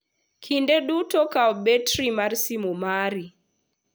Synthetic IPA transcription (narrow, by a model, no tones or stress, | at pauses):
kʰindeɗutɔkaɔbetɾimarsimomaɾi